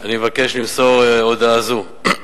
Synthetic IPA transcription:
animevake̞ʃlimso̞ʁeod̪aːzu

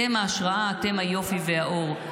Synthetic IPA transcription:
emaːʃʁaʔaːte̞mhajo̞fiveaʔo̞ʁ

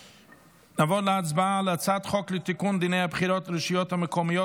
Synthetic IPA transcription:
navɔlat͡sbalˠat͡satχɔklɪtɪkundɪneapχiɾɔtɾəʃijɔtaməkɔmijɔ

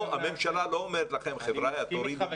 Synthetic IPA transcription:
ame̞mʃalaloomeɾet̪laχemχevɾajat̪oɾil

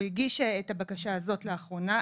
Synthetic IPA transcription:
iɡiʃeetabakaʃaːzo̞tleaχʁo̞na

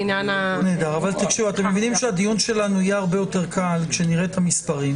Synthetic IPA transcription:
njananeːd̪aʁavalt̪akʃiuat̪emːevinimʃead̪ijunʃe̞lanuijeaʁbejo̞te̞ʁkalkʃeniʁe̞tamispaʁim

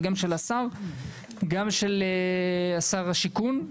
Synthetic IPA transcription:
ɡamʃelasaʁ | ɡamʃeleasaʁaʃikun

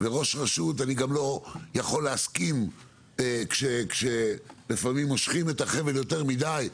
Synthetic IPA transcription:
beʁo̞ʃʁaʃut̬aniɡamlo̞jaχo̞lːeaskim | kʃekʃelifamimːo̞ʃχime̞taχe̞veljo̞te̞ʁmidaj

